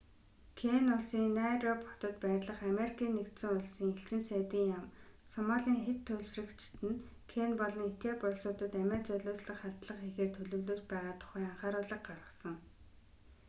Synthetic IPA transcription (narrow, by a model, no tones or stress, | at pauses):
kʰeːnʊɮsiːŋnæːɾɔpʰɔ̥t̪ə̆t̪pæːtʲɮə̆χameɾikʰiːnːekt̪sɘ̆ŋʊɮsiːŋeɬt͡ɕɪ̆nsæːt̪iːŋjam | sɔmaɮʲiːŋxet̪ʰːɵɮsrɘ̆kt͡ɕʰɪ̥t̪ɘ̆n | kʰeːnpɔɮɞ̆ŋet̪eːpɔɮsʊːt̪ə̆t̪æmʲæːt͡sœɮoːsɮə̆χχaɮt̪ɮə̆χexeːrt̪ʰɵɮɵ̆wɮoːspæːʁaːt̪ʰʊ̥χæːaɴχaːɾʊːɮə̆χ̚ɢarʁə̆sə̆ŋ